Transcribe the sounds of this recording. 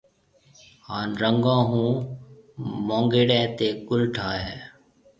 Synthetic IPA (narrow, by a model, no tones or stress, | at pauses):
haːnɾəŋɡãːɦũː | mõːŋɡeːɽɛ̃ːt̪eːkʊlʈʰaːɦɛː